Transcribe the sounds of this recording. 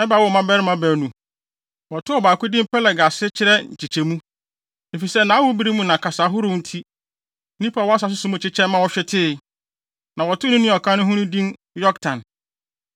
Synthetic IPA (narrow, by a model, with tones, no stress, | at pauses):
ɛ˦ba˨wɔ˦˨mã˦bɛ˦ɾɪ˦mã˦bɛ˨nũ˨ | wɔ˨tʰʊ˦ɔ˨baː˨kʊ˦dɪ̃˦m˦pɛ˦lɛ˨ɡa˨sɪ˦t͡ɕʰɪ˦ɾɛ˦ɲ̩˨t͡ɕʰi˨t͡ɕʰe˨mũ˦ | e˨fi˨sɛ˦nã˨˦a˦wʊ˦bi˦ɾi˦mũ˦nã˨kʰa˨sa˨˦ɦʊ˦ɾʊ̃˦mn̩˦tʰi˦ | nĩ˦pʰa˨wɔ˦a˦s̬a˨s̬ʊ˦sʊ˨mũ˦˨t͡ɕʰɪ˦t͡ɕʰɛ̃˦mã˦wɔ˨ɕᶣɛ˦tʰɪ˦˨ | nã˨wɔ˨tʰʊ˦nʊ̃˦nɪ̃˦ɔ˨kʰã˦nʊ̃˦ɦũ˦ɾʊ̃˦dĩ˦n | jɔ˦ktʰã˨n